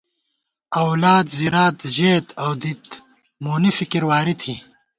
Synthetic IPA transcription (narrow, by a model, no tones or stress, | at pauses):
ɐwlaːd̪ziɾaːd̪ʑeːt̪ʰɐwd̪it̪ | moːnifikiɾwaːɾit̪ʰiː